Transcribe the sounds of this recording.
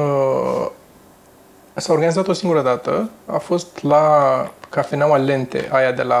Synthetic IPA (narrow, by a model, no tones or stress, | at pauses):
ə | saoɾɡanizat̪o̞siŋɡuɾəd̪at̪əa̰fo̞st̪lakafenawale̞nt̪e̞̰ʔajad̪e̞la